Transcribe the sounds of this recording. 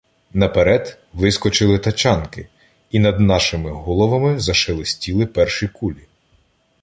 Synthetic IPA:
nɐpeɾɛd̪ | ʋɪskɔt͡ʃɪlˠɪt̪ɐt͡ʃɑnkɪ | inɐd̪nɑʃɪmɪɦɔlˠɔʋɐmɪzɐʃɪlˠɪsʲtʲilˠɪpɛrʃijkulʲi

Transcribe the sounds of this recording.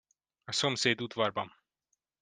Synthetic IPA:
asɔmsɛjd̪ut̪vaɾbam

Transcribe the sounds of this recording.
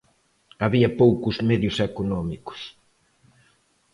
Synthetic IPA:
aβiɐpowkʊzmeðjʊsɛkonɔmikʊ̥s

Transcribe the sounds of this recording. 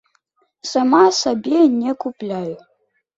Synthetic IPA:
samasabʲenʲɛkuplʲaju

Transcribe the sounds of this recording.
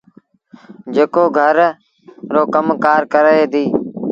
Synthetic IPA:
d͡ʒeːkoːɡʱəɾ | ɾoːkəmkaːɾkəɾəɦeːd̪iː

